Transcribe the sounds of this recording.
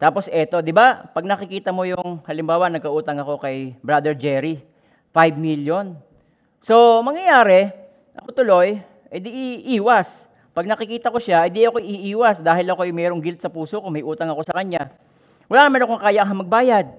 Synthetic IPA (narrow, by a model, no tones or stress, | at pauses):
t̪aːpo̞sʔɛt̪o̞d̪ɪbapɐɡ̚nɐkɪkiːt̪ɐmo̞jʊŋhɐlɪmbaːwɐnɐɡ̚kɐʔuːt̪ɐŋɐko̞kɐjbɹad̪ɛɹd͡ʒɛːɾi | fajbmiljon | so̞mɐŋjɐjaːɾɛ | ʔɐko̞t̪ʊlo̞j | ʔɪd̪iʔiʔiːwɐs | pɐɡnɐkɪkiːt̪ɐko̞ʃaʔɪnd̪iʔɐkoʔɪʔiʔiːwɐsd̪aːɦɪlɐkojʊŋmɛːɾoŋɡɪlt̪̚sɐpuːsokʊŋmɐjʔuːt̪ɐŋɐko̞sɐkɐɲa | wɐlaːnmɛːnɐŋkoŋkaːjaŋɦɐmɐɡ̚baːjɐd̪̚